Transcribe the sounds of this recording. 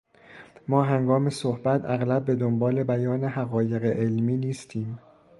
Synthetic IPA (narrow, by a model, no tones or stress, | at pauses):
mɒːɦæŋɡɒːme̞sohbæt̪ʰæɣlæb̚ːe̞d̪ombɒːle̞bæjɒːne̞hæɣɒːje̞ɣeʔelmiːniːst̪ʰiːm